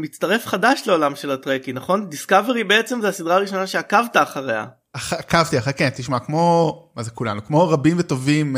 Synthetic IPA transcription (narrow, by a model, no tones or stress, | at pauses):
mit͡st̪aʁe̞fχadaʃleo̞lamʃe̞latʁekinaχo̞ndiskave̞ʁibeet͡se̞mzeasidʁaːʁiʃo̞naʃe̞akavtaːχaʁea̰ | aχakavt̪iaχekent̪iʃmakmo̞mazekula̰nukmo̞ʁabimveto̞vim